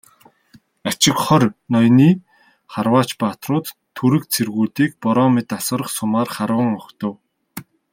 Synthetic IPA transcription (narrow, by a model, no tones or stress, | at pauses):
at͡ɕɪ̆kχɔrʲnɔjniː | χarwaːt͡ɕpat̪rʊːt̪ʰːuɾɘ̆k̚t͡sʰerɣuːɮt̪iːkpɔɾɔːmɪt̪asə̆ɾə̆χsʊmaːrχaɾwə̆ŋɔkt̪ə̆w